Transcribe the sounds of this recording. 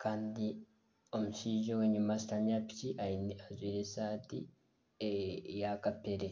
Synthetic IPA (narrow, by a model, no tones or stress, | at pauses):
kʰaːndi | o̞muʃiːʒoweɲumasitaɲaːpi̥ciʔainazwiːɾesaːtḭ | ejakapeɾe